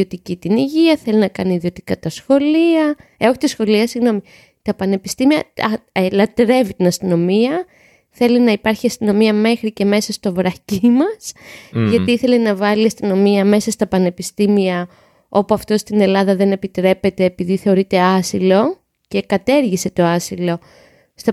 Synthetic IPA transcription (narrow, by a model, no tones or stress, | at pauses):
o̞t̪icit̪iniʝiɐθe̞linɐkɐniːðio̞t̪i̥kɐt̪ɐsxo̞liɐeoçit̪isxo̞liɐsiɣno̞mi | t̪ɐpɐne̞pist̪imiɐɐelɐt̪ɾe̞vit̪inɐst̪ino̞miɐ | θe̞linɐipɐɾçiɐst̪ino̞miɐme̞xɾice̞me̞sɐst̪o̞vɾɐcimɐsʝɐt̪iiθe̞lenɐvɐliɐst̪ino̞miɐme̞sɐst̪ɐpɐne̞pist̪imiɐ | o̞puɐft̪o̞st̪ine̞lɐðɐðe̞ne̞pit̪ɾe̞pe̞t̪e̞ːpiðiθe̞o̞ɾit̪e̞ɐsilo̞ | ce̞kɐt̪e̞ɾʝise̞t̪o̞ɐsilo̞ | st̪ɐ